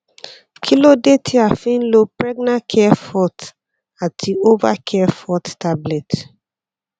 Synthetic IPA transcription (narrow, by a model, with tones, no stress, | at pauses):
kʰi˦lo˦de˦tʰi˦a˨fĩ˦nlo˦pɹɛ˦ɡna˦kʰɛ˦fɔ˦t | a˨ti˨o˦va˦kʰɛ˦fɔ˦tta˦blɛ˨t